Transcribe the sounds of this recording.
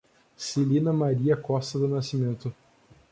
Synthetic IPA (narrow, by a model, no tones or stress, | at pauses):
silĩnɐmaɾiɐkɔst̪ɐd̪ʊnasimẽnt̪ʊ